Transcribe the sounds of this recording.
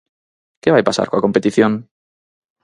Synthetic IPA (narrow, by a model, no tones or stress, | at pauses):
keβajpasa̰ɾkoako̞mpe̞t̪iθjoŋ